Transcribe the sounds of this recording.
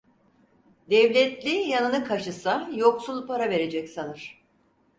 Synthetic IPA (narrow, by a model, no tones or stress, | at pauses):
d̪ɛvlʲɛt̪lʲijanɯnɯkʰaʃɯsajo̞ksulˠpaɾave̞ɾe̞d͡ʒɛcsanɯɾ̥